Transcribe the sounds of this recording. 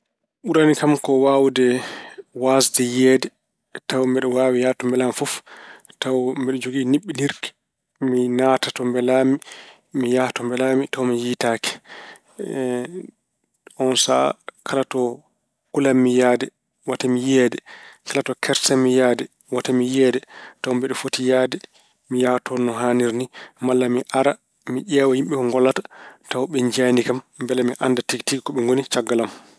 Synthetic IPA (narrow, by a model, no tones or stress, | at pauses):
ɓuɾanikamkɔwawdɛwasdɛjɛːdɛ | tawmbɛɗɔwaːwijatɔmbɛlamfuftawmbɛɗɔd͡ʒoɡiniɓːidiɾki̥ | minaːtatɔmbɛlami | mijatɔmbɛlamitawmijiːtaːkɛ̥ | ɔnsa̰kʰalatɔ | kulamːijaːdɛ | watamijɛːdɛkalatɔkʰɛɾsamːijaːdɛ | watamijɛdɛtawmbɛɗɛfotijaːdɛ | mijatʰɔnɔɦaniɾnimalːamiʔaɾa | miʄɛwahimɓɛkɔŋɡɔlːatḁtawɓɛɲd͡ʒanikamːbɛlamiʔandatiktikikɔɓɛŋɡonit͡ʃaɡːalam